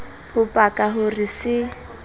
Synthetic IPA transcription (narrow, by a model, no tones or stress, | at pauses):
hʊpʼakʼaɦʊrisɪ